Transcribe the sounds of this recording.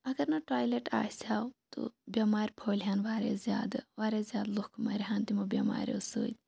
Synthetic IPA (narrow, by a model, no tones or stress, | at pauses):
ɐɡɐɾnɐʈaːjleʈa̰ːsʲaːwt̪ṵbʲɐmaːɾʲpʰoːlɦaːnʋaːɾḛːzjaːd̪ɨʋaːɾeːzʲjaːd̪lokmaːɾɦaːnt̪imɐbʲɐma̰ːɾʲo̰so̰ːt̪ʲ